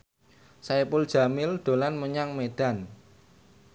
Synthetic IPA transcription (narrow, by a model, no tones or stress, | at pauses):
saepʊld̥ʒ̥a̤mɪld̪̥o̤lanməɲaŋmed̥a̤n